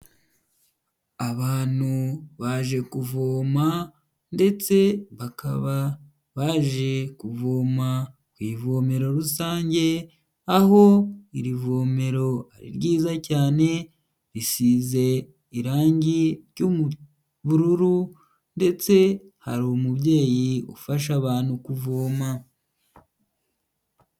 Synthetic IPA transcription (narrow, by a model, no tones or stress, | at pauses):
aβaːn̥huβaʒe̞kuvoːma | nde̞t͡se̞βakaβa | βaːʒe̞kuvo̞ːma | kwiːvo̞ːme̞ɾo̞ɾusaːɲɟe̞ | aɦo̞iɾivo̞ːme̞ɾo̞a̰ɾḭɾɟiːzacaːne̞ | ɾisize̞ | iɾaːɲɟiɾɟomu | βuɾuɾu | nde̞t͡se̞ | ha̰ɾomubɟe̞ːjiṵfaʃ̬aβaːn̥hukuvoːma